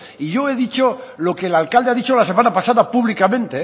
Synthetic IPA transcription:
iʝo̞e̞ðit͡ʃolo̞ke̞ːlalkald̪eaðit͡ʃo̞lase̞manapasaðapuβlikamẽnt̪e̞

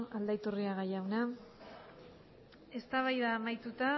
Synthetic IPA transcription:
ald̪ajt̪uriaɣajawna | e̞st̪aβajðaːmajt̪ut̪a

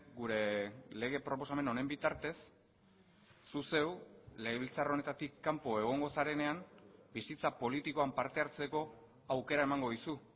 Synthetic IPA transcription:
ɡuɾe̞le̞ɣ̞e̞pɾo̞p̬o̞same̞no̞ne̞mbit̪aɾt̪e̞s | use̞wle̞ɣeβilt͡saro̞ne̞t̪at̪ikːampo̞e̞ɣ̞o̞ŋɡo̞saɾe̞ne̞ambisit͡sapo̞lit̪iko̞ampaɾt̪e̞aɾt͡se̞ko̞ | awke̞ɾaemaŋɡo̞ðisu

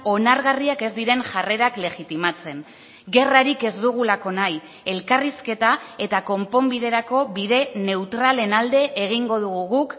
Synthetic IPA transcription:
o̞naɾɣariake̞zd̪iɾe̞nʝare̞ɾakle̞ɣit̪imat͡se̞n | ɡe̞raɾike̞zd̪uɣ̞ulako̞naj | e̞lkariske̞t̪ae̞t̪ako̞mpo̞mbiðe̞ɾako̞βiðe̞ne̞wt̪ɾale̞nald̪e̞ʔeɣ̞iŋɡo̞ðuɣuɣuk

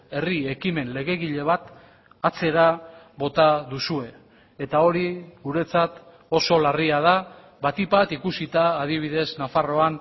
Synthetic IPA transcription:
e̞rie̞kime̞nle̞ɣe̞ɣiʎe̞β̞at̪ | at͡se̞ɾa | βo̞t̪aðusue̞ː | t̪ao̞ɾiɣuɾe̞t͡sat̪ | o̞so̞lariaða | βat̪ipat̪ikusit̪aːð̞iβ̞iðe̞znafaro̞an

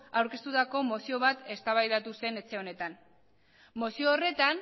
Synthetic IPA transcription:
awɾke̞st̪ut̪ako̞mosio̞β̞at̪e̞st̪aβajðat̪use̞ne̞t͡se̞o̞ne̞t̪an | mosioːre̞t̪an

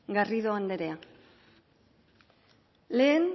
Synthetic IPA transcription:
ɡariðoand̪e̞ɾe̞a | le̞ːn

